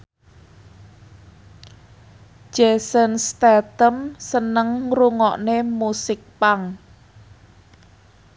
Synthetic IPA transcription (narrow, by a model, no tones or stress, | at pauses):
d͡ʒ̥ɛsənst̪ɛt̪əmsənəŋruŋɔʔnemusɪk̚paŋ